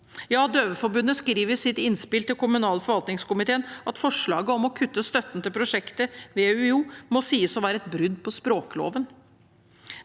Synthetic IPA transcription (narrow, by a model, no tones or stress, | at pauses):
jɑːd̪øːʋəfɔɾbʉnːəskɾiːʋəsɪt̪ɪnspɪlt̪ɪlkʰʊmʉnɑːləfɔɾʋɑlt̪nɪŋskʊmɪt̪eːənʔɑt̪fɔʂɭɑ̰ːɡəɔmɔkʰʉt̪ːəst̪œt̪ːən̩t̪ɪlpʰɾʊʂɛkt̪əʋeːʉuːmɔsiːəsɔʋæːɾəɛt̪̚bɾʏd̪pʰɔspɾoːkəlo̰ːʋən